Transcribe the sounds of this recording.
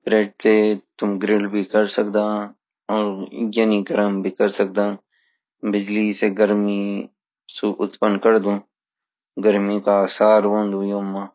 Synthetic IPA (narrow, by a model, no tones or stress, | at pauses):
pɾeːʈ̚t̪et̪ʊmɡɾɪlbʱikɐɾsɐkd̪ãː | ɔːɾjɐniɡɐɾəmbʱikɐɾsɐk̚d̪ãː | bɪd͡ʒliseɡɐɾmi | suʔʊt̪pənkɐɾd̪ũː | ɡɐɾmĩkasaːɾʋõːnd̪ũːjoːmːaː